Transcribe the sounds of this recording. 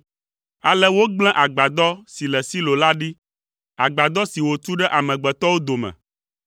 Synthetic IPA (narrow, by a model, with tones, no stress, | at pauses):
a˨lɛ˦wo˦ɡ͡bl̃ɛ̃˦ʔa˨ɡ͡ba˨d̪ɔ˦si˨lɛ˨si˦lo˨la˦ɖi˦ | a˨ɡ͡ba˨d̪ɔ˦si˨wo˨t͡ʃu˦ɖɛ˦ʔa˨mɛ̃˨ɡ͡bɛ˨t̪ɔ˦wo˦d̪o˨mɛ̰̃˨